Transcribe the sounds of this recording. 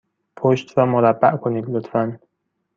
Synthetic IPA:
pʰoʃt̪ɾɒːmoɾæbːæʔkʰoniːd̪lot̪ʰfæn

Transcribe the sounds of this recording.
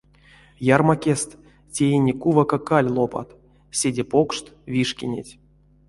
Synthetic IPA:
jarmakʲest̪ | tʲejenʲekuvakakalʲlˠopa̰t̪ | sʲedʲepokʂt̪vʲiʂkʲinʲḛtʲ

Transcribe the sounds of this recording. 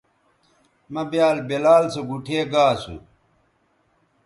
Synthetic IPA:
mɐbjaːlbelaːlsoɡuʈʰeːɡaːsṵ

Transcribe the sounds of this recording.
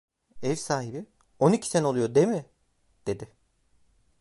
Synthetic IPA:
ɛvsaːɦibi | onicʰi̥senɛolˠujoɾd̪emɪ | d̪̥e̞d̪ɪ

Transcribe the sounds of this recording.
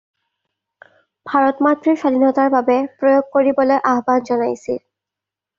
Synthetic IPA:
bʱaɹɔtmatɹiɹsadʱinɔtaɹbabɛpɹojoɡ̚koɹibɔlojʔaɦbanzɔnajsḭl

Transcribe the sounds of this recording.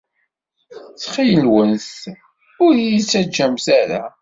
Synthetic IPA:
t͡sːχijəlwənθ | ʊɾjit͡sːæd͡ʒːæmsæɾæ̰

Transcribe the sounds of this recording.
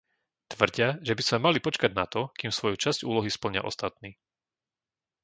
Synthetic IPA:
t̪ʋr̩ɟɪaʒɛbiz̥mɛmalipɔt͡ʃkaɟnat̪ɔkiːmsʋɔjut͡ʃazcṵːlɔɦispl̩ɲɪa̰ʔɔ̰st̪at̪niː

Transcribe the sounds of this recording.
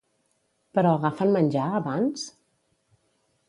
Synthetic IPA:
pəɾɔəɣafənmənʲd͡ʒaəβans

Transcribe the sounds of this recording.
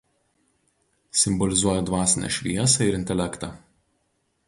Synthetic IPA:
sʲɪmbɔlʲɪzuɔjɛd̪ʋɑːsʲɪnʲɛ̰ʃʲʋʲiɛsɐɪɾɪnʲt̪ʲɛlʲɛkt̪ɑ̰

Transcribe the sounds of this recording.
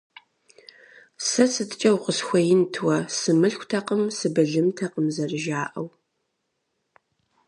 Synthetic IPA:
sɐsɨtʰt͡ʃʼɐwqʷəsxʷɐjɪntʰwɐsɨmɨɬkʷtʰɐqəmsɨbɨɮɨmtʰɐqəmzɐrɨʒaːʔɐw

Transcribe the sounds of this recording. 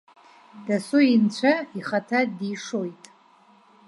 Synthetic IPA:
d̥asuint͡ɕʷʰaiχatʰadiʂojtʼ

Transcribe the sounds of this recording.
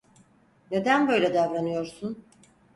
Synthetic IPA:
ne̞d̪ænbø̞jlʲɛd̪avɾanɯjo̞ɾsun

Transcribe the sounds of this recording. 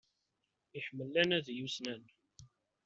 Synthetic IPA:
iħmːəlːænæðjusnæn

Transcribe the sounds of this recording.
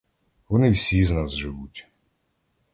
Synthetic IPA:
ʋɔnɪwsʲiznazʒɪʋutʲ

